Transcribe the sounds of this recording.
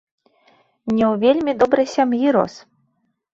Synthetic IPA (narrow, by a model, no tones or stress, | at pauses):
nʲɛwvʲelʲmʲid̪ɔbɾɐjsʲamjiɾɔ̰s